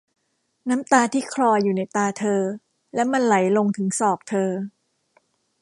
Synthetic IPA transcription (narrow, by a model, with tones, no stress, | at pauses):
naː˦˥mt̪aː˧t̪ʰiː˥˩kʰlɔː˧jːuː˨˩na˦˥jt̪aː˧t̪ʰɤː˧ | lɛ˦˥ma˧nla˩˦jlo˧ŋt̪ʰɯ˩˦ŋsɔː˨˩k̚t̪ʰɤː˧